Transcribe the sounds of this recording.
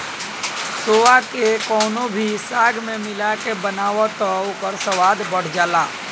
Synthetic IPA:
soːakekɔːnõbʱisaːɡmẽmɪlakebənaːwot̪ɔʊkəɾsəwaːd̪bəɽ̤d͡ʒaːlaː

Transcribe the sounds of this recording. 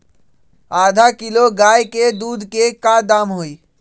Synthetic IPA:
aːd̪ʱakiloɡaːjked̪uːd̪ʱkekad̪aːmɦoːi

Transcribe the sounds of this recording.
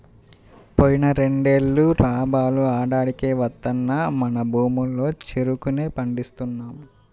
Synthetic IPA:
poːjinɐɾe̞ɳɖe̞lːupaːbaːluaːɽaːɽikeːʋɐt̪ːɐnːamɐnɐbʱuːmulːo̞ːt͡ʃeɾukune̞ːpɐɳɖist̪unːaːmu

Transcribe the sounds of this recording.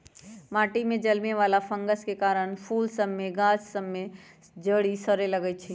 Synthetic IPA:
maːʈimẽd͡ʒəlmeʋaːlapʰə̃ŋɡəskekaːɾəɽ̃pʰuːlsəbːeɡãːt͡ʃsəmːe | d͡ʒəɽisəɾeləɡət͡ʃʰi

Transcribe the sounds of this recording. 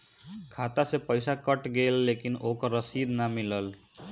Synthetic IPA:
kʰaːt̪asepəɪsakəʈɡeːlːeːkɪnoːkəɾːəsiːd̪namɪləl

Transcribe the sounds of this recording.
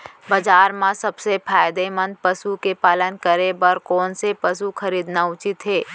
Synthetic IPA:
bɐd͡ʒaːɾmãsɐbsepʰaːjd̪emə̃n̚pəsukepaːlənkəɾebəɾkɔːnsepəsuxʰɐɾiːd̪naʊt͡ʃɪt̪ɦeː

